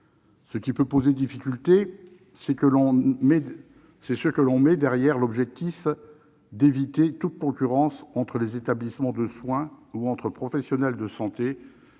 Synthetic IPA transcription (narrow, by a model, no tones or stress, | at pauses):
səkʲipøpozed̪ifikʲylt̪e | sɛkəlɔ̃mɛ | sɛsəkəlɔ̃mɛd̪ɛʁjɛʁlɔbʒɛk̚t̪if | d̪evit̪et̪ut̪̚kɔ̃kʲyʁɑ̃sɑ̃t̪χəlezet̪ablismɑ̃d̪əswɛ̃uɑ̃t̪χəpχɔfɛsjɔnɛld̪əsɑ̃t̪e